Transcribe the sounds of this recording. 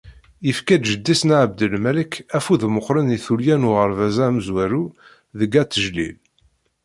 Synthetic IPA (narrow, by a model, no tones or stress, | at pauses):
jəfkæd̪ʒəd̪ːisnʕəb̚d̪əlmæləkæfuðməqːɾəniθuljænʊʁəɾvæzæmzwæɾu | ðəɡæt͡sːəʒlḭl